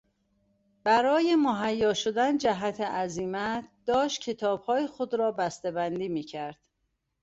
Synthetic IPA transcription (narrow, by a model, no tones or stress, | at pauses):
b̥æɾɒːjemoɦæjːɒːʃod̪ænd͡ʒæɦæt̪ʰeʔæziːmæd̪̥ɒːʃt̪̚cʲʰe̞t̪ʰɒːb̥hɒːjexod̪ɾɒːbæst̪ebænd̪iːmiːcʰæɾd̪̥